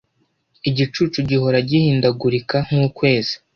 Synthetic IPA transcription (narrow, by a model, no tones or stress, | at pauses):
iɟit͡ʃuːt͡ʃuɟiɦo̞ɾaɟihiːndaɡuɾikaŋ̥uːkwe̞ːzi̥